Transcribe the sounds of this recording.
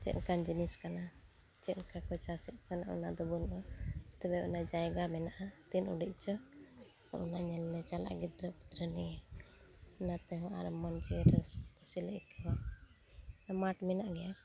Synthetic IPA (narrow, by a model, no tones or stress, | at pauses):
t͡ʃɛ̰ʔlkand͡ʒiniskana | t͡ʃɛʔlkakɔt͡ʃasit̪̚kanaʔṵnad̪ɔbɔnʔɔt̪ɛbɛɔ̰nad͡ʒajɡamɛnaʔat̪inṵɖiʔ̚ˀt͡ʃɔ | ʔunaɲɛlːɛt͡ʃala̰ʔɡid̪ɾəd̪ɾəni | nat̪ɛɦɔ̃ʔa̰ɾɔmɔnd͡ʒiɛɾəskɔsiləʔikɛba | maʈmɛnaʔɡɛja